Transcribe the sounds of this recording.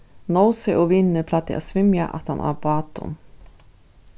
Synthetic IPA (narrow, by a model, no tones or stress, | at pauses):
nɔwsɛʔɔvɪnːəpʰlat̪ːɪ̰ʔa̰t̪svɪmjaʔa̰t̪ha̰na̰ɾbɑːt̪ʊ̰n